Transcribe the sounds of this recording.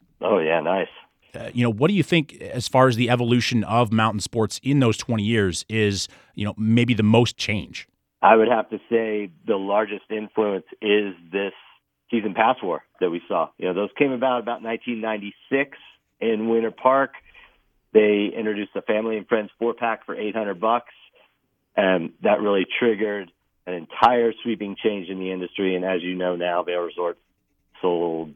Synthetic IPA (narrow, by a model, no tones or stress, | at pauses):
ʔoʊjænaɪs | ʌjʔɨnoʊwʌt̚d̥ɨjɨθɪ̃ŋkɨz̥fɑɹɨzðiɛvəlʉʃɨ̃nʌvmãʊ̃nʔn̩spɔɹtsɪ̃nðoʊz̥tʰw̥ɛ̃ɾ̃ijɪɹzɪz̥ | jʔɨ̰noʊmeɪbiðɨmoʊst͡ʃʰẽɪ̃n̥ʒ̥ | ʔaɪwɨɾ̚hæftɨseɪðəlɑɹd͡ʒɨstɪ̃ɱfluə̃nsɪzðɪsː | izɨ̃npʰæswɔ̰ɹðɨt̚wisɔ̰jɨnoʊðoʊz̥kʰẽɪ̃mɨbaʊɾəbaʊtⁿnãɪ̃ntʰĩnːãɪ̃ntisɪks | ɪ̃nwɪ̃ɾ̃ə˞pʰɑɹk | ðeɪɪ̃nt͡ʃɹ̥ɨɾdʉsəfæ̃mliɨ̃nfɹɛ̃ndz̥fɔɹpʰækfə̰˞ʔeɪt̚hʌ̃ndɹəd̚bʌks | ʔɨ̃nðɨʔ̚ɹʔɪlˠitʰɹ̥ɪɡə˞ɾ | ɨ̃nɨ̃ntʰaɪə˞swipɪ̃ŋt͡ʃʰẽɪ̃nd͡ʒɨ̃nðiɪ̃ndɨstɹ̥iɨ̃nɨzjɨnoʊnaʊðeɪɹɨzɔɹt | soʊlˠd̥̚